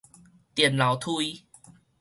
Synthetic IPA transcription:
t̪jɛ˨˩nla˨˩wt̪ʰu˥˧i˦

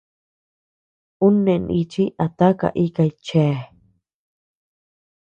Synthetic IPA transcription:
u˦nːe˨nʔit͡ʃi˦ʔa˨t̪a˦ka̰˨ʔi˦kajt͡ʃe˦

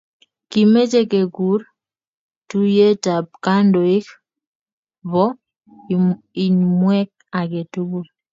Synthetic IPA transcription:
ki˨me˦t͡ʃe˦ke˨ɡu˨˦ɾ | tu˦je˦ta˨b̚ka˦ndo˨i˦k | βɔ˦ | i˨ɲmwɛ˦k̚ | a˨ɡe˨tu˦bu˦ɾ

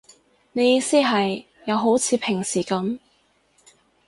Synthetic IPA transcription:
ne˨˧jiː˧siː˥ɦɐ˨jː | ɐ˨˧wɦo˨˥wt͡sʰiː˨˧pʰɪ˨˩ŋsiː˨˩kɐ˨˥m

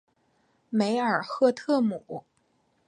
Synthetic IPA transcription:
me˧˥ɪə˞˨˩xɤ˥˧t̪ʰɤ˥˩mu˨˩˦

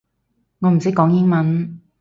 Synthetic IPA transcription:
ŋɔ˨˧m̩˨˩t͡si˨˥kɔː˨˥ŋjɪ˥ŋmɐ˨˧n

